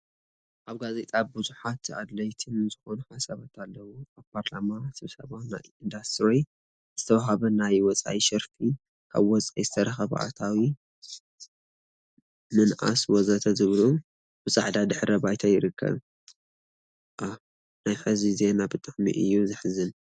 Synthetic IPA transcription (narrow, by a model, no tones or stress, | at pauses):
ʔaβɡazet̪ʼabɨzuħat̪a̰d̪lɐjt̪ʰɨnzɨxo̞nuħasaβat̪ʰalːɐwuaβpʰaɾlamasɨβsɐ̰βawna̰jind̪ast̪ɾoj | z̥ɨt̪ʰɐwaɦaβɐnajwɔt͡sʼa̰ʔiʃɐɾfi | kʰa̰βwɔt͡sʼajzɨt̪ʰɐɾɐxɐβʔa̰t̪ʰawi | mɨnʔa̰swɔzɐt̪ʰɐzɨβlu | b̥ɨsʼa̰ʕd̪ad̪ɨħɾɐbajt̪ʰajɪɾɨkʰːɐ̰β | ʔa | najħɨzize̞nabɨt̪ʼɨʕmḭʔɨ̰jːuzɨħzɨn